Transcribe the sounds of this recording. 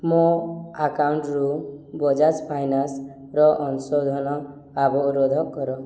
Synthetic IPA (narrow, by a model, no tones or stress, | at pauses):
mɔakawɳʈɾubɔd͡ʒad͡ʒpʰajnas | ɾɔʔɔnsɔd̪ʱɔnɔ | abɔɾod̪ʱɔkːɔɾɔ